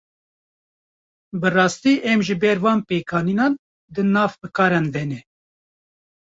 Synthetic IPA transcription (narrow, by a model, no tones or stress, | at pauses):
bɨrɑːst̪iːʔɛmʒɨbɛɾvɑːnpeːkʰɑːniːnɑːn | d̪ɨnɑːvbɨkɑːɾɛnd̪ɛnɛ